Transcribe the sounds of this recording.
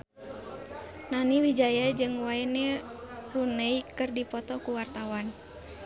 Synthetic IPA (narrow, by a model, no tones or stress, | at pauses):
naniwid͡ʒajad͡ʒɨŋwaɛnɛrunəikɨrdipɔt̪ɔkuwart̪awan